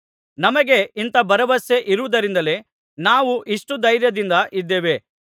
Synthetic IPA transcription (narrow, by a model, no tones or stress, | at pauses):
nɐmɐɡe̞int̪ɐbɐɾɐʋɐseʔiɾuʋud̪ɐɾind̪ɐle̞ | naːʋuʔiʂʈud̪ɐjɾjɐd̪ind̪ɐʔid̪ːeːʋe̞